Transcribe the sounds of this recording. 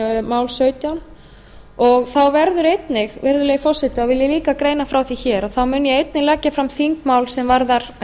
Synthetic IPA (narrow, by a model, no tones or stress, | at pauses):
maːwlsœːɥt̪jawn | ɔɣθawvɛɾðʏɾejt̪nɪɣvɛɾðʏlɛːjfɔr̥sɛt̪ɪavɪljɪliːkakɾeːjnafɾawθiçɛːɾaθawmʏnjɛejt̪̚nɪɣlɛːcːafɾamθiŋkmaːwlsɛmvaɾðaɾ̥